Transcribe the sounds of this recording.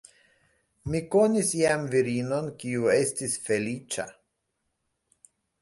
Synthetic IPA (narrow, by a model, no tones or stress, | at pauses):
mikonisjamviɾino̞nkiuestisfelit͡ʃa̰